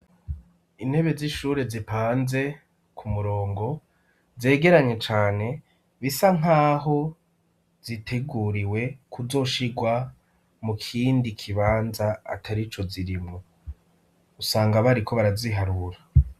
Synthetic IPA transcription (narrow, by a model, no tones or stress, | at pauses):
inhe̞βe̞ziʃuːɾezipaːnze̞ | kumuɾo̞ːŋɡo̞ | ze̞ːɡe̞ɾaɲe̞t͡ʃaːne̞ | βisaŋ̥aːɦo̞ | z̥itʰe̞ɡuːɾiwe̞kʰuzo̞ːʃiɡwa | mukʰiːndikʰiβaːnza̰ːtʰaɾit͡ʃo̞ziɾimo | usaːŋɡaβaɾikʰo̞βaɾaziɦaɾuɾa